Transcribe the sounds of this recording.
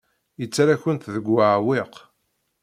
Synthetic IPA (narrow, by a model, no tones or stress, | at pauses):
jət͡sːɾaçənt̪ðəɡːaʕwɪq